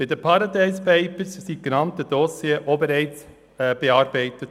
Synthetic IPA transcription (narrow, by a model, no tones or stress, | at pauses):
bɪdəpʰɑɾɑdɛɪspæɪpəssiɡ̥ənɑmtəd̥osjeːʔoːbəɾɛɪt͡s | ɛb̥eɑːɾbæɪtət